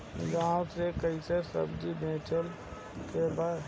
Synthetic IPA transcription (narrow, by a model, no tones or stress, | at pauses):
ɡaːwt̪ekəɪsesə̰bd͡ʒibʱẽːʈʰəl | keba